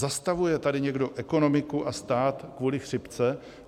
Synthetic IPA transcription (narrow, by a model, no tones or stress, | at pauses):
zast̪avujɛt̪adɪɲɛɡdo̞ʔɛko̞no̞mɪkuʔast̪aːt̪kvuːlɪxr̝̥ɪpt͡sɛ